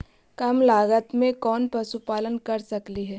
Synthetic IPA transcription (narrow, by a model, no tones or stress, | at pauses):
kɐmlaːɡət̪mẽkɔːnpɾɐsupaːlənkɐɾsɐkliɦɛː